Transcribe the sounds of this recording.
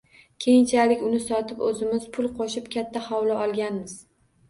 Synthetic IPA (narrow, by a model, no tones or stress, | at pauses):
kʲʰe̞jɪnt͡ʃʰalɪkʲʊnɪsɒt̪ʰɪpɵzɪmɪz̥pʰʊlˠqʰoʃɪpkʲʰat̪ʰːahɒwlaʔɒlˠɡʲanmɪz̥